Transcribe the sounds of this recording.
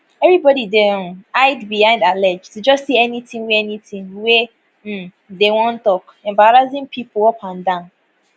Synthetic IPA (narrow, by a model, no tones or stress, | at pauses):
ɛvɹibɔɾidɛ̃aɪdbihãɪ̃ndalɛd͡ʒtud͡ʒɔstsiɛnitĩŋweɛnitĩŋwe | m̩ | dewɔ̃ntɔk | ɛ̃mbaɹazĩŋpʰipoopʰãndãʊ̃n